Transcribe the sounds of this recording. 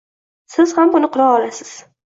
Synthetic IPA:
sɪz̥hambʊnɪqʰʊɾɑlɒlasɪ̥z̥

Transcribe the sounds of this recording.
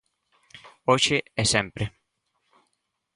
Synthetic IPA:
ot͡ʃeɛsɛmpɾɪ

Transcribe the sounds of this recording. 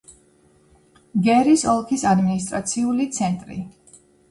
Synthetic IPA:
ɡɛɾisɔlˠkʰisad̪minist̪ʼɾat̪sʰiulit̪sʰɛnt̪ʼɾḭ

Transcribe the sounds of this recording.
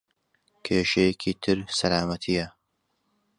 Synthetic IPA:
kʰeːʃɐjekʰiːt̪ʰɨɾsɐlaːmɐt̪ʰijɐ

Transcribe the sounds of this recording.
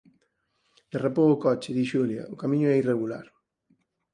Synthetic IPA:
d̪̥erapowʊkɔt͡ʃɪðiʃuljɐ̰ʊkamĩɲʊɛireɣula̰ɾ

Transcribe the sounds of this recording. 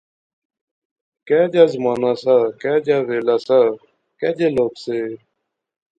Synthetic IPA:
kɛːd͡ʑaːzmaːnaːsaːkɛːd͡ʑaːʋeːlaːsaː | kɛːd͡ʑeːloːkseː

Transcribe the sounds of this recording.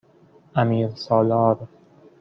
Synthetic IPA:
ʔæmiːɾsɒːlɒːɾ

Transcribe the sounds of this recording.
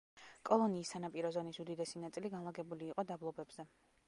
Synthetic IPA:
kʼɔlˠɔniːsːanapʼiɾɔzɔnisud̪id̪ɛsinat̪sʼiliɡanlˠaɡɛbuliːqʼɔd̪ablˠɔbɛbz̥ɛ

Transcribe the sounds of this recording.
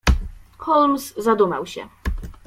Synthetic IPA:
xɔlmszad̪uma̰wɕɛ̰

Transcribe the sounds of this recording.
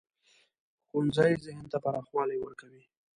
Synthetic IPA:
xunzajzɪɦnt̪apaɾɑxwɑlajwəɾkawi

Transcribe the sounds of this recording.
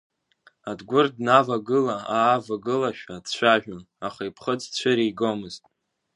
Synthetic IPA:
adɡʷʊrdnavaɡɨlaaːvaɡɨlaʃᶣadt͡ɕʷʰaʒᶣan | aχaipʰχəd͡zt͡ɕʷʰɨɾiɡomɨztʼ

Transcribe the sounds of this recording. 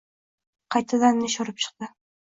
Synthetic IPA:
qʰɑjt̪ʰːad̪anːɪʃɒɾɪp̚t͡ʃʰɨ̥q̚d̪ɪ

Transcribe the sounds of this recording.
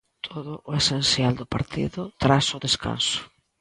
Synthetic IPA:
t̪ʰoðʊʔʊesenθjald̪ʊpaɾt̪iðʊt̪ɾasʊðeska̰nsʊ̥

